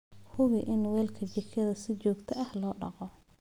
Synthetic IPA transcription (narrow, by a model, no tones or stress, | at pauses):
hʊβɪʔɪnwɛːlkʰɐt͡ʃɪkʰɐðɐsɪt͡ʃɔːɡt̪ʰɐɐhlɔːɖɑqɔ